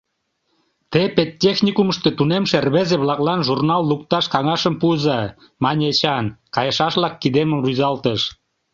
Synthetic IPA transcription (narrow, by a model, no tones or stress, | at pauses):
t̪epet̪ʲːexnʲikuməʃt̪et̪unemʃerβezeβlɑklɑnʒurnɑlːukt̪ɑʃkɑŋɑʃəmpuzɑ | mɑnʲet͡ɕɑnkɑjəʃɑʃβlɑkːid̪eməmruzɑlt̪əʃ